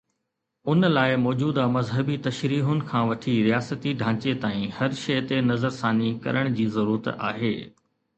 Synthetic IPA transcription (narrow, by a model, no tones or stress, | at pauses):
ʊnlaːɪmɔːd͡ʑuːd̪amɐzɦəbit̪ɐʃɾiːɦʊnɪ̆kʰãːʋɐʈʰiɾijaːsət̪iɖʱãːt͡ɕet̪aːĩhɐɾʃɐjt̪enɐzəɾsaːnikɐ̰ɾəɽ̃d͡ʑiːzɐɾuːɾət̪a̰ːɦeː